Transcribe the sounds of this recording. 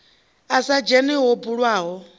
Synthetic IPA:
asad͡ʒɛniɦɔbuɺwaːɦɔ

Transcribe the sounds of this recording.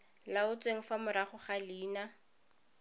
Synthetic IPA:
laʊt͡sʼweŋ̩famʊɾaχʊχaliːna

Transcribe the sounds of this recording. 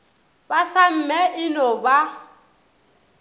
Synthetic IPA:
basam̩mɛʔɪnɔba

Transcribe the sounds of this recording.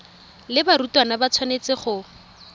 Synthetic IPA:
lɪbaɾutwanabat͡sʰwanet͡sɪχʊ

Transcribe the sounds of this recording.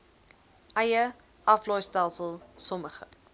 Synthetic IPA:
ʔɛjə | ʔɐflɔjstælˠsəlˠsɔməχə̰

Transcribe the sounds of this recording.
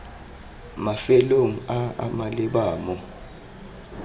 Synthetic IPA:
mafɛloŋ̩aa̰malɛɓaːmɔ

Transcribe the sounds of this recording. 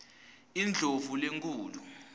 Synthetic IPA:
ind͡ɮʱovuleŋkʰʼuːlu

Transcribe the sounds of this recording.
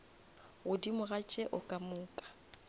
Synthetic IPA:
ɣʊdimʊɣat͡ʃʼɛʔʊkʼamʊːkʼḁ

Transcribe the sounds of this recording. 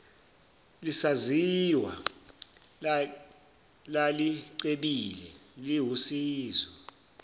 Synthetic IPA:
lisaziwa̰ | laliǀeɓilɛliɦusiːzɔ

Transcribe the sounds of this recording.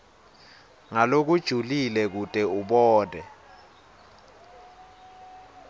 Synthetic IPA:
ŋalok̬ud̥ʒ̥ʱulilɛk̬utʼɛuɓɔːd̥ʱɛ

